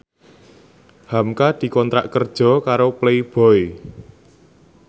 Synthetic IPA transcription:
hamkad̪̥i̤kɔnt̪ɾa̰ʔkərd̥ʒ̥ɔ̤kaɾopleib̥ɔ̤i

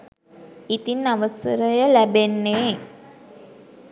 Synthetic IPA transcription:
it̪inːaʋəsəɾəjəlæbenːeː

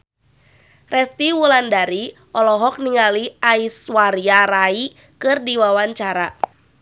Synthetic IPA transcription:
rɛst̪iwulandaɾi | ɔlɔɦɔk̚niŋaliʔaiswaɾiaɾai | kɨrdiwawaɲt͡ʃaɾa

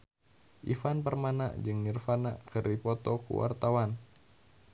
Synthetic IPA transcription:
ʔifanpərmana̰ʔd͡ʒɨŋnirfanaʔkɨrdipɔt̪ɔkṵwa̰rt̪awan

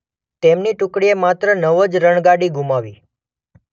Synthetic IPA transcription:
t̪emniʈʊkɽiemat̪ɾənəʋəd͡ʒɾəɳ̃ɡaɽiɡumaʋi

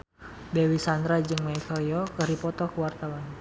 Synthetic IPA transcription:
dɛwisand̪ɾad͡ʒɨŋmaikɔljɔkəhdipɔt̪ɔkuwart̪awan

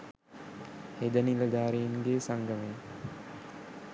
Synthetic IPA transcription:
hed̪əniləɡ̪aːɾijinɡeːsaŋɡəme

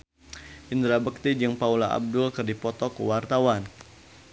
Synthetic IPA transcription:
ʔind̪ɾabək̚t̪id͡ʒəŋpaulaʔa̰b̚dʊlkɨrdipɔt̪ɔkṵwart̪awan

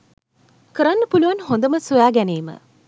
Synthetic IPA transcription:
kəɾanːəpuluʋanɦond̪əməsujaːɡæneːmə̰

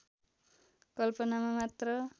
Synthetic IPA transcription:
kʌlpʌnamamat̪rʌ

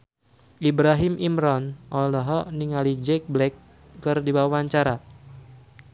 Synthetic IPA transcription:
ʔibɾaɦimʔimɾɔnʔɔlɔɦɔniŋalid͡ʒɛk̚blɛkː | ɨrdibawaɲt͡ʃaɾa

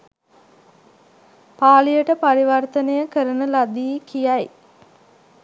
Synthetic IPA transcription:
paːlijəʈəpaɾiʋart̪ənəjəkəɾənəlad̪iːkijaj

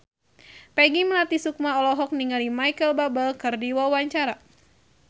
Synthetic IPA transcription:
pɛɡiməlat̪isuk̚maɔlɔɦɔk̚niŋalimajkəlbabəlkɨrdiwawaɲt͡ʃaɾa

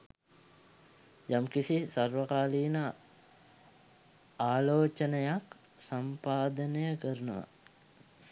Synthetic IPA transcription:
jamkisisarʋəkaːliːna | aːloːt͡ʃənəjak | sampaːd̪ənəjəkəɾunuʋa̰

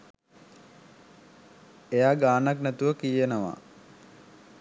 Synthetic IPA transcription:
ejaːɡaːnaknæt̪uʋəkijenəʋa̰

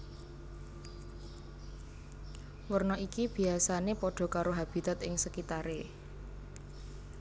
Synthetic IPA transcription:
wərnɔʔikib̥i̤asanepɔɖ̥ɔ̤kaɾoɦab̥i̤t̪at̪ɪŋsəkit̪aɾe

